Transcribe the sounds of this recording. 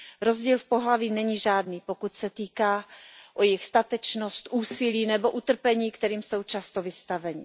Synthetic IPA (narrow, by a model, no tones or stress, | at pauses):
ɾo̞zɟiːlfpo̞ɦlaviːnɛɲiʒaːdnipokucsɛt̪iːkaːʔojɪxst̪at̪ɛt͡ʃnost̪ʔuːsɪliːnɛbo̞ʔut̪r̩pɛɲiːkt̪ɛɾiːmso̞wt͡ʃast̪ovɪst̪avɛɲɪ